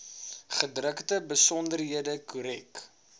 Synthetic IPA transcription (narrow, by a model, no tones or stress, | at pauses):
χədrəktəbəsɔndərɦiədəkuɾɛk